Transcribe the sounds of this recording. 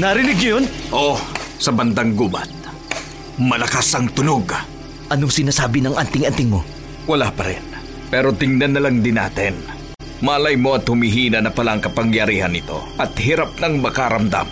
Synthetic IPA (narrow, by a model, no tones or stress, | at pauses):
nɐɾɪnɪɡ̚ɲʊjonʔosɐbɐnd̪ɐŋɡubɐ̰t̪̚ | mɐlɐkasɐŋt̪ʊnoɡ | ʔɐnoŋsɪnaːsaːbɪnɐŋʔɐnt̪ɪŋɐnt̪ɪŋmo̞ | wɐlapɐɾɛ̰n | pɛːɾo̞t̪ɪŋnɐnːɐlaŋd̪ɪna̰ːt̪ɪn | mɐʔɐlajmo̞ɐt̪hʊmiɦiːnɐnɐpɐlaʔɐŋkɐpɐŋjɐɾiːhɐnɪt̪o̞̰ʔɐt̪hiɾap̚nɐŋmɐkaɾɐmd̪a̰m